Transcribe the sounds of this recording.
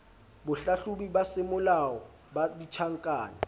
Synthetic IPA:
bʊɬaɬubibasɪmʊlawɔ | badit͡ʃʰaŋ̩kʼaːna

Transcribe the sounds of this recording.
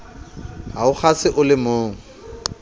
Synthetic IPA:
ɦaʊχasɪʔʊlɪmoːŋ̩

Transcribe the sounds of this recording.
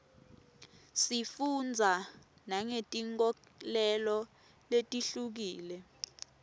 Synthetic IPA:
sifund͡zʱa | naŋetʼiŋk̬ʼɔ | lɛlɔ | letʼiɬuk̬iːlɛ

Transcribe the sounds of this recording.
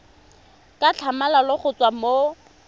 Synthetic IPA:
kʼat͡ɬʰamalalʊχʊt͡sʼwamo

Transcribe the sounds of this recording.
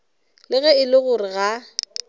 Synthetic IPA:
lɪɣɛɪlɪɣʊrɪɣa

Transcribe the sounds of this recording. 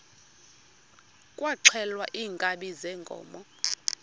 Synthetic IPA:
kʼwaǀʰɛlwaʔiːŋkʼaɓizɛŋɡʼʱɔ̰ːmɔ

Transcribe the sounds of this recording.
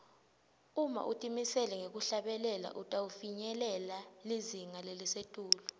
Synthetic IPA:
uma̰ʔutʼimisɛlɛŋek̬uɬaɓɛlɛla̰ʔutʼaufiɲɛlɛlaliziŋalelisetʼuːlu

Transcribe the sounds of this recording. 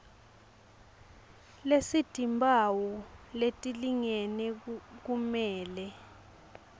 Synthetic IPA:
lesid̥ʱimbʱawɔletʼiliŋɛnɛk̬umɛːlɛ

